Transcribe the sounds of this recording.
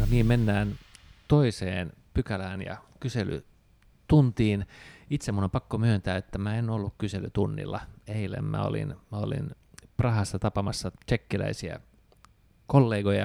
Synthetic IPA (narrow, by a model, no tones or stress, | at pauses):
noniːmmenːæːnt̪oiseːn | pykælæːnjɑ̰kysely̰ | t̪unt̪iːnit̪semunompɑkːomyønt̪æːet̪ːæmæenolːukkyselyt̪unːḭlːɑ̰eilḛmmæ̰o̰lḭnmæo̰lḭn | prɑhɑsːɑt̪ɑpɑmɑsːɑt͡ʃekːilæ̰isiæ̰ | kolːeːɡojɑ